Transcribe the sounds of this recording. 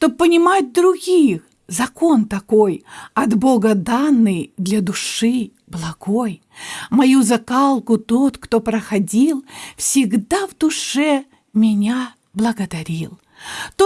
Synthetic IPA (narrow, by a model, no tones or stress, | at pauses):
ʂt̪opːənʲɪmat̚ʲd̪ɾʊɡʲix | zɐko̞nt̪ɐko̞jɐd̪boɡəd̪anːɨjd̪lʲad̪ʊʂɨ | blˠɐɡo̞j | mɐjuzɐkalˠkʊt̪o̞t̪kt̪o̞pɾəxɐdʲilˠfsʲɪɡd̪avd̪ʊʂɛ | mʲɪnʲa | blˠəɡəd̪ɐɾʲilˠ | t̪o